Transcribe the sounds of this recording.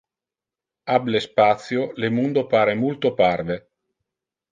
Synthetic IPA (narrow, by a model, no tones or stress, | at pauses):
ablespat̪sjolemund̪opaːɾemult̪oparve